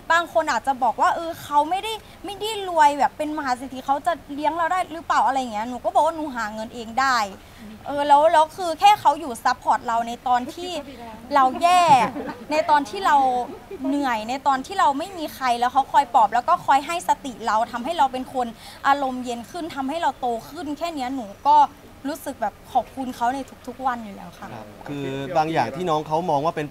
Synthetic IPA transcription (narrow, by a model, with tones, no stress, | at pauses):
baː˧ŋkʰo˧nʔaː˨˩t̪̚t͡ɕa˨˩bɔː˨˩k̚waː˥˩ʔɤː˧kʰa˦˥wma˥˩jda˥˩j | ma˥˩jda˥˩jlu˧əjbɛː˨˩pːe˧nma˧ɦaː˨˦s̬e˧˦t̪ʰi˧˩kʰa˦˥wt͡ɕa˨˩li˦˥əŋla˧wdaː˥˩jɾɯ˦˥paː˨˩wʔa˧ɾa˧ja˨˩ŋi˦˥˧nuː˧˩kɔː˥˩bɔː˨˩kwaː˥˧nuː˧˩ɦaː˩˦ŋɤ˧nʔeː˧ŋdaː˥˩j | ʔɤː˧lɛː˦˥wlɛː˦˥wkʰɯː˧kʰɛː˥˩ka˦˥wjuː˨˩sa˦˥pʰːɔː˨˩t̪̚ɾa˧wna˧jt̪ɔː˧nt̪ʰiː˥˩ɾa˧wjɛː˥˩na˧jt̪ɔː˧nt̪ʰiː˥˩ɾa˧wnɯ˨˩əjna˧jt̪ɔː˧nt̪ʰiː˥˩ɾa˧wma˥˩jmiː˧xʰa˧jlɛː˦˥wkʰa˦˥wkʰɔː˧jpɔː˨˩p̚lɛː˦˥wkɔː˥˩kʰɔː˧jɦa˥˩jsa˧t̪i˨˩ɾa˧wt̪ʰa˧mɦa˥˩jɾa˧wpe˧nkʰo˧nʔaː˧ɾo˧mje˧nkʰɯ˥˩nt̪ʰa˧mha˥˩jɾa˧wt̪oː˧kʰɯ˥˩nkʰɛː˥˩ni˦˥ɐnuː˩˦kɔː˥˩ | ɾuː˦˥sɯ˨˩k̚bɛː˨˩p̚kʰɔː˨˩p̚kʰu˧nkʰa˦˥wna˧jt̪ʰu˦˥k̚t̪ʰu˦˥k̚wa˧njuː˨˩lɛ̰ː˦˥wkʰa˦˥˩kʰɯː˧baː˧ŋjaː˨˩ŋt̪ʰiː˥˩nɔː˦˥ŋkʰa˦˥wmɔː˧ŋwaː˥˩pe˧n